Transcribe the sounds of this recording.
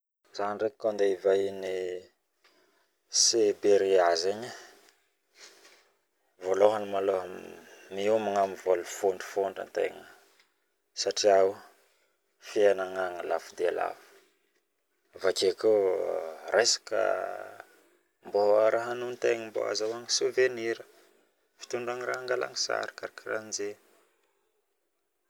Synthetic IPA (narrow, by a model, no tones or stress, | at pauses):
z̥anrekkand̪eivajni | sebeɾiazeɲə | voloɦanimaloɦəmiumaŋamivolufoɳɖ͡ʐi̥foɳɖ͡ʐa̰nt̪ḛŋə | saʈ͡ʂiaw | fianaŋaŋəlafud̪eala̰fu̥ | vakeko | ɾʔajsḁkə̰ | mboaɾaɦanunt̪eŋəmbo̰ɦa̰zawaŋisuveniɾə̥ | fi̥t̪uɳɖ͡ʐaŋiraɦaŋɡala̰ŋisa̰ɾi̥kaɾakiranze